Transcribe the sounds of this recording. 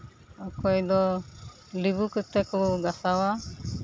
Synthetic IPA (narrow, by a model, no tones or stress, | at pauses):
ɔkʰɔjd̪ɔ | libukɯt̪ekɔɡasawa